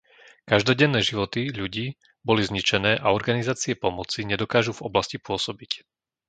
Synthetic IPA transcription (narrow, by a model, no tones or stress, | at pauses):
kaʒd̪ɔɟɛnːɛːʒiʋɔt̪iʎuɟiː | bɔlizɲit͡ʃɛnɛːʔaɔɾɡanizaːt͡siɛpɔmɔt͡siɲɛd̪ɔkaːʒuvɔblascipʊɔsɔbic